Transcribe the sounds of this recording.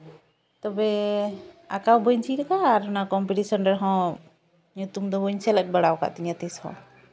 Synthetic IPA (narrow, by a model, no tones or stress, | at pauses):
t̪ɔbɛ | akawbɔɲt͡ʃʰiɾkaːɾɔnakɔmpiʈisɔnɖɛɾɦɔ̃ | ɲut̪umd̪ɔbɔɲsɛlɛt̚bəɽawka̰ʔt̪iɲat̪ishɔ̰̃